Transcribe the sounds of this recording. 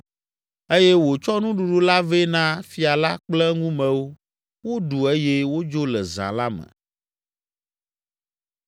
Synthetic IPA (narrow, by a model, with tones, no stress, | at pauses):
e˦jɛ˦wo˨t͡ʃɔ˦nũ˦ɖu˨ɖu˦la˦ve˦nã˦fi˨a˨la˦k͡plɛ˦ŋũ˦mɛ̃˨wo˦ | wo˦ɖu˨e˦je˦wo˦d͡ʒo˦lɛ̰˨zã̰˨la˦mɛ̰̃˨